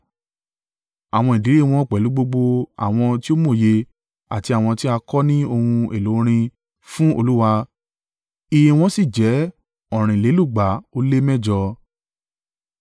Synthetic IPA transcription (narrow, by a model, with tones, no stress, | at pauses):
a˨w̃ɔ̃˧i˨di˨ɾi˦˨˧w̃ɔ̃˦˨k͡pɛ˨lu˨˦ɡ͡bo˧ɡ͡bo˧a̰˨w̃ɔ̃˧ti˦o˦mo˦˨je˧ | a̰˨ti˧a˨w̃ɔ̃˧ti˦a˧kɔ˦nĩ˦o˧hũ˧e˨lo˨˦ɾ̃ĩ˧ | fũ˦o˧lu˦wa˧ | i˦˧jĩ˧w̃ɔ̃˦si˦˨d͡ʒɛ˨˦ | ɔ̃˦˨ɾ̃ĩ˨le˨˦lu˦˨ɡ͡ba˨˦o˦le˦mɛ̃˦˨d͡ʒɔ˧